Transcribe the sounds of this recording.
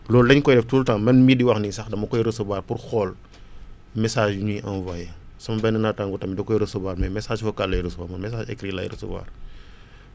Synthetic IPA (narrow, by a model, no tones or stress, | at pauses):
lɔːlɛɲkɔjdɛftuːltaŋmɐnmidiwɐxnisɐxdɐmɐkɔjɾəsɐbaːrpurxɔl | mɛsaːʒɲiʔɐnvɐjsɐmɐbɛnːənataŋɡɔtɐmidɐkɔjɾəsɐbaːɾmɛmɛsaːʃfɐkalːɐjɾəsəbaːmɐnmɛsaːd͡ʒɛ̰kɾilɐ̰jɾə̰sə̰ba̰ːr